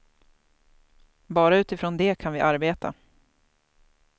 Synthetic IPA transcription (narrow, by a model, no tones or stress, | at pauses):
bɑːɾaʉ̟ːt̪ɪfɾoːnd̪ɛːkʰanvɪʔaɾbeːt̪ʰa̰